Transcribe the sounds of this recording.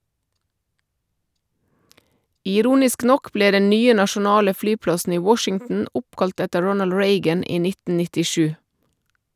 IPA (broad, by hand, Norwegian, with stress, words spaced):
ɪˈɾuːnɪsk ˈnɔk ˈbleː ˈdɛn ˈnyːə nɑʃʊˈnɑːlə ˈflyːˌplɑsn̩ ˈiː ˈwɔʃɪŋtn̩ ˈʊpˌkɑlt ˈɛtə ˈɹɔnəl ˈɹeɪɡən ˈiː ˈnɪtn̩ nɪtɪˈʃʉː